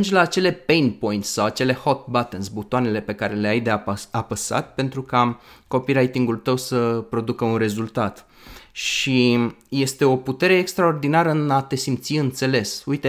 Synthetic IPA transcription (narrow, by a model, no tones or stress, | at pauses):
und͡ʒlaːt͡ʃe̞le̞pejnpo̞jint̪sʲsawat͡ʃe̞le̞ho̞t̪̚bat̪enzbut̪oane̞le̞pe̞kaɾe̞le̞ajd̪eapəsa̰t̪̚pe̞nt̪ɾukako̞piɾajt̪iŋɡult̪əwsəpɾo̞d̪ukəunre̞zult̪at̪ | ʃije̞st̪e̞o̞put̪e̞ɾe̞ːkst̪ɾao̞rd̪inaɾəɨnat̪e̞simt̪siɨnt̪se̞le̞sujt̪e